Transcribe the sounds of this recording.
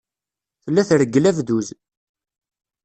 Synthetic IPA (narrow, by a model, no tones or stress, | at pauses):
θəlːæθɾəɡːəlævðuz